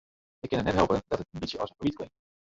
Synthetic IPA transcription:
əkənətnɛtɦɛlˠpəndɑtətənbitsjəʔɑ̰səfəbit̚klɪ̰ŋk̚t

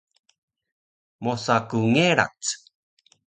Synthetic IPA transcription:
mosakuŋeɾa̰t͡s

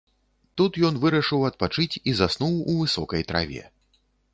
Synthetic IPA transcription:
t̪ut̪jɔnvɨɾɐʂɨwɐt̪̚pat͡ʂɨt͡sʲizasnuwuvɨsɔkɐjt̪ɾʔa̰vʲɛ̰

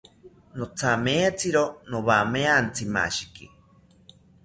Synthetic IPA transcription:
not͡sʰameːt͡sʰiɾonoβameant͡sʰima̰ʃi̥kḭ

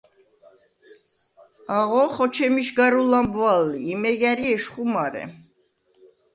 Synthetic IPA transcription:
aʁɔχɔt͡ʃʰɛmiʃɡaɾulambvalːiːmɛɡaɾiɛʃχumaɾɛ̰

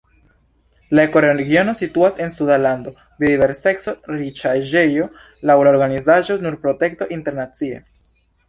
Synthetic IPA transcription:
laeko̞ɾeɾeɡio̞no̞situasensuðalando̞ | bidiβe̞ɾse̞kso̞ɾit͡ʃaʒe̞jo̞ | lawlaoɾɡanizaʒo̞nuɾpɾo̞te̞kto̞ʔinte̞ɾnat͡sie̞̰

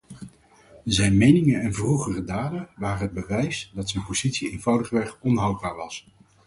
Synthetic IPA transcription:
zɛjnmejnɪŋənɛnvruχərədaːdəʋaːrənɦəd̚bəʋɛjsdɑtsɛjnpoz̥itsiejnvɑwdəχəʋɛχɔnɦɑwd̚baːɹʋɑs

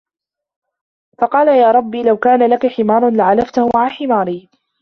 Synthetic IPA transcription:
fɑqɑːlajaːɾˤɑbːiːlawkaːnalakaħɪmaːɾˤnlaʕalaft̪ahʊmaʕaħɪmaːɾiː

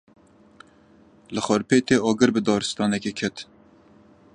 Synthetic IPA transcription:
lɨxɔɾpeːt̪eːʔɑːɡɨɾbɨd̪ɑːɾɨst̪ɑːnɛkʲekʰɛt̪

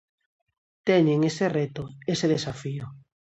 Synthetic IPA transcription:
t̪ɛɲeŋeseret̪ʊeseðesafiʊ

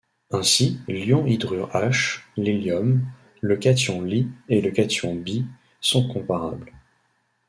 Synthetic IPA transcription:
ɛ̃siljɔ̃id̪ʁyʁaʃliljɔm | ləkat̪jɔ̃lieləkat̪jɔ̃bi | sɔ̃kɔ̃paʁa̰bl

